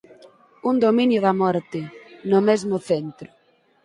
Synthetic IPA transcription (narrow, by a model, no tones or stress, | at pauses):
und̪omĩnjʊðamɔɾt̪ɪnʊmezmʊθent̪ɾʊ